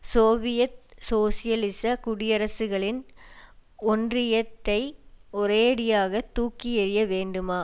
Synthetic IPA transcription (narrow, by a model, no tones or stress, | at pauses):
soːʋɪjɐt̪̚soːsɪjɐlɪsɐkʊɽɪjɐɾɐsɯɣɐɭɪn | ɔndrɪjɐt̪ːɐɪɔɾeːɽɪjaːɣɐt̪ːuːkːɪɛɾɪjɐʋeːɳɖɯmaː